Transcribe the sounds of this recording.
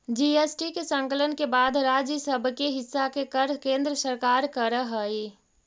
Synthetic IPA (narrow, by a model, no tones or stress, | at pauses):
d͡ʒiesʈikesə̃ŋkələnkebaːd̪ɾaːd͡ʒjəsəbʱkeɦɪsːakekəɾkẽːnd̪ɾəsəɾkaːɾkəɾəɦəi